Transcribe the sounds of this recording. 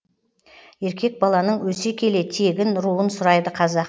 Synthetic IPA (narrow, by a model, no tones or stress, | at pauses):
je̞ɾkʲʰe̞k̚bɑlˠɑnəɴwɵsekʲʰe̞le̞t̪ʰe̞ɡʲɪnɾuənsʊɾɑjd̪əqʰɑzɑq